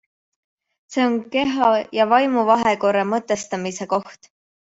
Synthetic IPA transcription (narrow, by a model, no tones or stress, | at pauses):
se̞ːo̞nke̞ɦɑjɑvɑjmuvɑɦeko̞ɾemɤt̪ːˑe̞st̪ɑmise̞ko̞ht̪